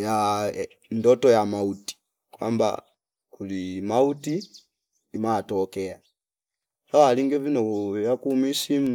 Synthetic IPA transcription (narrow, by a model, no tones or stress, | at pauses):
ja | ndɔtɔjamauti̥ | kwa̰mba̰ | kulimautiː | matɔkɛa | hawaliŋɡɛvinɔjakuːmisim